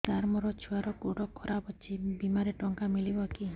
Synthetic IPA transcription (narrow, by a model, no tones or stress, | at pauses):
t̪aɾmɔɾɔt͡ʃʰuaɾɔkoɽɔkʰɔɾabɔt͡ʃʰibimaɾeʈɔŋkamilibɔki